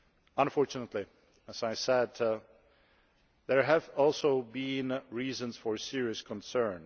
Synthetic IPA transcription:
ə̃nfɔɹt͡ʃɨnətˡli | æz̥aɪsɛd̪ | ðəɹɦɨvɔlˠsoʊbĩnɹiːzə̃nz̥fɔɹsɪɹiɨskʰə̃nsɜ̃˞n

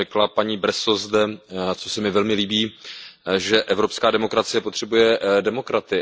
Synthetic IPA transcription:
ɛklapaɲiːbɾɛsozdɛt͡sosɛmɪvɛlmɪliːbiː | ʒɛʔɛvɾo̞pskaːdɛmo̞kɾat͡sɪjɛpo̞t̪r̥ɛbujɛdɛmo̞kɾat̪ɪ

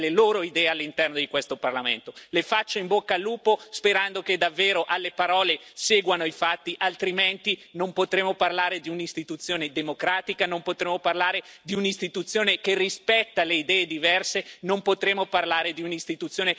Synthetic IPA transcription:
leloːɾoid̪ɛːealːint̪ɛrnod̪ikwest̪oparlamḛnt̪olefat͡ʃːoimbokːalːuːpospeɾand̪oked̪avːeːɾoʔalːepaɾɔːleseːɡwanoifat̪ːiʔalt̪ɾiment̪inompot̪ɾeːmoparlaːɾed̪iunist̪it̪ut̪sːjoːned̪emokɾaːt̪ikanompot̪ɾeːmoparlaːɾed̪iunist̪it̪ut̪sːjoːnekerispɛt̪ːaleid̪ɛːed̪ivɛrsenompot̪ɾeːmoparlaːɾed̪iunist̪it̪ut̪sjoːne

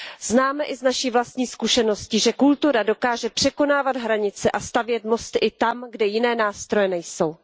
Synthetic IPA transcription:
znaːmɛʔɪznaʃiːvlast̪ɲiːskuʃɛno̞scɪʒɛkult̪uɾado̞kaːʒɛpr̥ɛko̞naːvad̪ɦɾaɲɪt͡sɛʔast̪avjɛt̪mo̞st̪ɪʔɪt̪amɡdɛjɪnɛːnaːst̪ɾo̞jɛnɛjso̞w

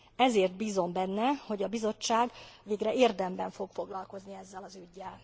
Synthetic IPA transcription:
ɛzeːrt̪̚biːzo̞mbɛnːɛho̞ɟɒbizo̞t͡ʃːaːɡʋeːɡrɛeːrd̪ɛmbɛɱfo̞ɡfo̞ɡlɒlko̞zniɛzːɛlɒzyɟːɛl

